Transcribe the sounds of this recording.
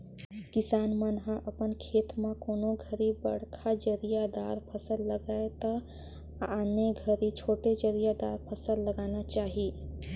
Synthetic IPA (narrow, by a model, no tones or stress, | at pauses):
kɪsaːnmənɦãʔəpənkʰeːt̪mẽkoːnõɡʱəɾibə̰ɽ̤kʰad͡ʒəɾijad̪aːɾpʰəsəlːəɡaːet̪ə | aneɡʱəɾit͡ʃʰoːʈed͡ʒəɾijad̪aːɾpʰəsəlːəɡaːnat͡ʃaːɦi